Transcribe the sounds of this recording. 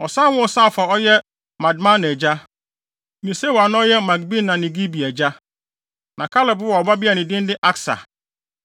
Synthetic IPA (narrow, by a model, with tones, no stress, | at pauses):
ɔ˨sã˦˨˦wʊ̃˦ɔ˨sãː˦˨fa˨ɔ˦jɛ˦ | mã˨dmã˦n˨ɛ˨d͡ʑa˦ | mĩ˨se˦wa˨nʊ̃˦ɔ˦jɛ˦mã˨ɡ̚bi˦nã˨nɪ̃˨ɡi˦bi˨æ˨d͡ʑa˦ | nã˨kʰa˦lɪ˨bʊ˦wɔ˨ɔ˨ba˦bi˦a˨nɪ̃˨dɪ̃˦n˦dɪ˦ʔa˦ksa̰˨